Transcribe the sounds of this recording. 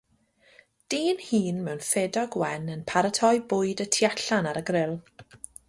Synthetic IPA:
d̥iːnhiːnmɛwnfɛdɔɡwɛnənpʰaɾətʰɔjbʊːɨdətʰiaɬanaɾəɡrɪlˠ

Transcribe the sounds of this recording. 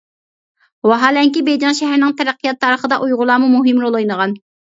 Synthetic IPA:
wɑɦɑːlɛŋkʲibejd͡ʒɑnʃɛɦæɾnɪŋt̪ʰɛɾæqʰːijɑt̪ʰːɑːɾəχəd̪ɑʔujʁʊlˠɑːmumuɦɪmɾolˠojnəʁɑn

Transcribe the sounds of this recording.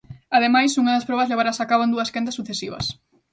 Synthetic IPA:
aðemajsuŋɐðɐspɾɔβɐzleβaɾasakaβoend̪uɐskent̪̬ɐsːuθesiβɐ̰s

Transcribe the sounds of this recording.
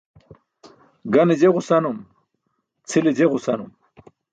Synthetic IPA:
ɡɐned͡ʑeʁusɐnum | t͡sʰilid͡ʑeʁusɐnum

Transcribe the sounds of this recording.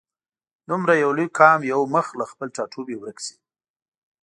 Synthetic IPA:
d̪ʊmɾajawlujkʰɑmjawməxlaxpəlʈ͡ʂɑʈʰubewɾəksi̥

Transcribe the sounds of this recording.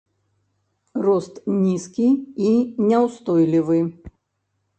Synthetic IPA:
rɔst̪nʲiskʲiinʲɛwst̪ɔjlʲivɨ

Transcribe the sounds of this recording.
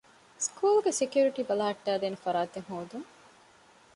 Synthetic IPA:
skuːlɡesekjuːɾiʈiːbɐlɐɦɐʈːæːd̪eːnefɐɾaːt̪eŋɦoːd̪uŋ

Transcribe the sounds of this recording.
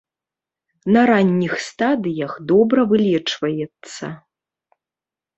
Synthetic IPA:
nɐɾanʲːixst̪ad̪ɨjɐxd̪ɔbɾɐvɨlʲɛt͡ʂvɐjɛt̪sːɐ̰

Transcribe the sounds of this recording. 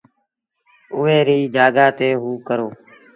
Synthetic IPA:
ʊʋeːɾiːd͡ʒaːɡaːt̪eːɦuːkəɾoː

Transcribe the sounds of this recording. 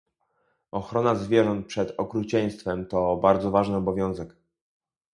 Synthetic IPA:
ɔxɾɔnazvʲjɛʐɔnt̪̚pʂɛd̪ɔkɾut͡ɕɛɲ̃st̪fɛmt̪ɔbaɾd̪zɔvaʐnɘɔbɔvʲjɔ̃w̃zɛk

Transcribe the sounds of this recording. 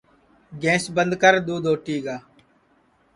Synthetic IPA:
ɡẽːsbənd̪kəɾd̪uːd̪oːʈiːɡaː

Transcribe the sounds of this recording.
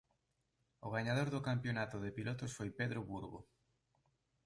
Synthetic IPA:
ʊɣ̞aɲaðoɾðʊkampjonat̪ʊðɪpilot̪ʊsfojpeðɾʊβuɾɣo̰

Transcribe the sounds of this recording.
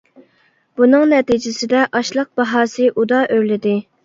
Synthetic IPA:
b̥unɨŋnɛt̪id͡ʒɪsɪd̪ɛʔɑʃlˠəq̚b̥ɑɦɑːsɨʔud̪ɑʔøɥlɪd̪ɪ

